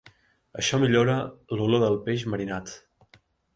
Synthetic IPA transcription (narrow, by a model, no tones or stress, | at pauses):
ə̰ʃɔmiʎoɾəluloðəlˠpeʃməɾinat̪